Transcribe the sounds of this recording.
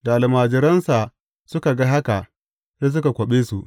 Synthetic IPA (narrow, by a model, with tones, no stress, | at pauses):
da˨a˨lmaː˨d͡ʒɪ˨ɾɐ˦nsa˨ | sʊ˦ka˨ɡa˦ɦa˦ka˨ʔ | se˦s̬ʊ˦ka˨kʷɐ˨ɓeː˦su˨ʔ